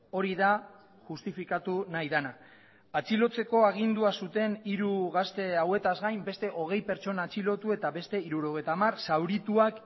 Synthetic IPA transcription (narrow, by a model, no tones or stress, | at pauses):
o̞ɾiða | ʝust̪ifikat̪unajðana | at͡silo̞t͡se̞ko̞aɣ̞ind̪uasut̪e̞niɾuɣ̞ast̪e̞awe̞t̪azɣajmbe̞st̪e̞ʔo̞ɣ̞e̞jpe̞ɾt͡ʃo̞naːt͡silo̞t̪ue̞t̪aβe̞st̪e̞iɾuɾo̞ɣ̞e̞jt̪amarsawɾit̪uak